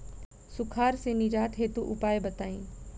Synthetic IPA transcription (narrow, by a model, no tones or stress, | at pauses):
sʊkʰaːɾsenɪd͡ʒaːʈ̪ʰɦet̪uʔʊpaːebɐt̪aːĩː